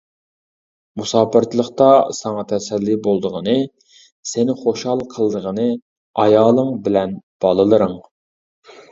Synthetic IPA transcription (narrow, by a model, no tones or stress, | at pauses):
musɑːpɨɾt̪ʰlˠəχt̪ɑsɑŋɑt̪ʰɛsɛlːiɪbolˠd̪əʁənɨ | senɪχoʃhɑlˠqʰəlˠd̪əʁənɨ | ɑjɑːlˠəŋbɪlɛnb̥ɑlˠɨlˠɨɾɨŋ